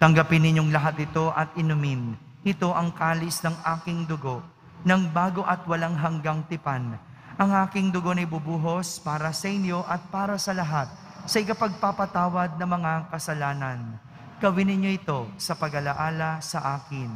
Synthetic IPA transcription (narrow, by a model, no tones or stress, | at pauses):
t̪ɐŋɡɐpɪnːɪɲjo̞ŋlɐɦat̪̚ːɪt̪o̞ʔɐt̪̚ɪnʊmɪn | ʔɪt̪o̞ʔɐŋkaːlɪsnɐŋʔaːkɪŋd̪ʊɡo̞ʔ | nɐŋbaːɡo̞ʔɐt̪̚wɐlaŋɦɐŋɡaŋt̪ɪpan | ʔɐŋʔaːkɪŋd̪ʊɡo̞nɐjbʊbuːɦo̞spaːɾɐsɐʔɪnjo̞ʔɐt̪̚paːɾɐsɐlɐɦat̪̚ | sɐʔɪkapɐɡ̚papɐt̪aːwɐd̪̚nɐŋmɐŋakɐsɐlaːnɐn | ɡ̥ɐwɪnɪɲjo̞ʔɪt̪o̞sɐpɐɡɐlɐʔaːlɐsɐʔaːkɪn